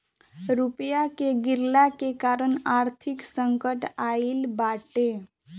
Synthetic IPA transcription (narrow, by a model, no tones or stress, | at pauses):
ɾupjakeɡɪɾlakekaːɾənaːɾt̪ʰɪksə̃ŋkəʈailbaːʈe